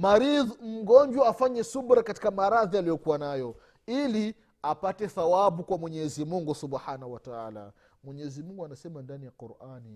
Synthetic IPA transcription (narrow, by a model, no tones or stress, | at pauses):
maɾiðum̩ɡɔnɲd͡ʒwaːfaɲɛsubɾakati̥kamaɾaðialijɔkuwanajɔ | ili | apatɛθawabukwamwɛɲɛzimuŋɡusubħanahuwataa̰ːla̰ | mwɛɲɛɛzimuŋɡuanasɛmandanijaquɾani